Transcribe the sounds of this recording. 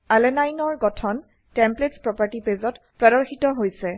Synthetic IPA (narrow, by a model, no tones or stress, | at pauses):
alɛnajnɔɹɡɔtʰɔn | tɛmpletspɹɔpaɹtipezɔt | pɹɛɾɔɹxitɔɦojsɛ